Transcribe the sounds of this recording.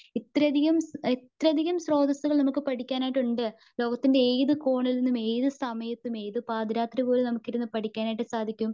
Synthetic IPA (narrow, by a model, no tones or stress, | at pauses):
it̪ːɾɐd̪ʱiɣɐmit̪rɐd̪ʱiɣɐmsro̞ːd̪ɐsuɣɐɭnɐmukːɨpɐʈʰikʲːaːnaːjiʈːuɳɖɨ | lo̞ːɡɐt̪ːinde̞ejðɨko̞ːɳilnːume̞jðɨsɐmɐjɐt̪ːume̞jðɨpaːd̪iɾaːt̪ribo̞ːlenɐmukːiɾunːɨpɐʈikʲːaːnaːjiʈːɨsaːd̪ʱikʲːum